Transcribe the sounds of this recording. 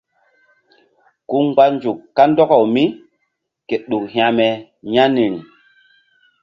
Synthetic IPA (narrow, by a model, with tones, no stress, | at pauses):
ku˦ŋɡ͡ba˦nd͡ʒu˨kːa˦ndɔ˦kɔ˨wmi˦ | ke˨ɗu˨khj̃a˨mɛ˨ | ɲa˦ni˨ɾi˨